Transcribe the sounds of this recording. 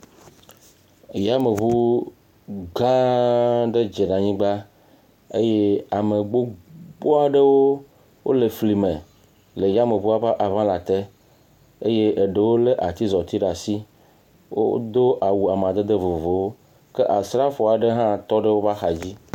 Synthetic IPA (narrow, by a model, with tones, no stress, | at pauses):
ja˦me˨vu˦ | ɡã˦ɖe˦d͡ʒe˨ɖa˨ɲĩ˦ɡ͡ba˦ | e˦je˦a˨me˨ɡ͡bo˦ɡ͡bo˦a˨ɖe˦wo˦ | wʔo̰˦le˨fli˨mẽ˨ | le˨ja˦me˨vu˦a˦va˦ʔa˨vã˦la˨t̪e˦ | e˦je˦ʔe˨ɖe˨wo˦le˦ʔa˨t̪i˦zɔ˨t̪i˦ɖa˨si˦ | wo̰˦d̪o˦ʔa˨wu˨a˨m˨a˨d̪e˦d̪e˦vo˨vo˨wo˦ | ke˦ʔa˨sɾa˦fo˨a˨ɖe˦ɦã˦t̪ɔ˦ɖe˦wo˦va˦xa˨d͡ʑi˦